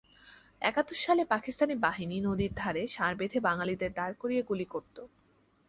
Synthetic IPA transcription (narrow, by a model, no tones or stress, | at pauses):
ɛ̰kat̪ːoʃːalepakist̪anibaɦininod̪iɾd̪ʱaɾeʃaɾbed̪ʱebaŋalid̪eɾd̪aɾkoɾijeɡulikoɾt̪o